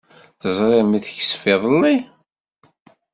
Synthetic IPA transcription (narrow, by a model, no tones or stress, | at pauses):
θəzˤɾɪmiθəçə̥sfɪðˤəlːi